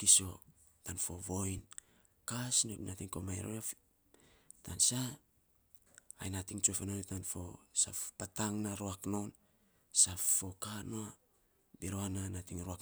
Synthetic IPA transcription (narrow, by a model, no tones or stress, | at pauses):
kiso̞ | tanfo̞βo̞jn | kasnenatiŋkomajɾo̰af | tʰansa | a̰jnatiŋt͡ʃuofenonetanfo̞safpataŋnaɾoakno̞wn | safːo̞kanoa | biɾoananatiŋɾoak